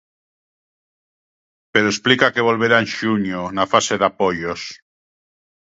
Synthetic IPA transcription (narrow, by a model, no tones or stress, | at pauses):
peɾoesplikakeβolβ̞eɾaenʃuɲonafaseðapojos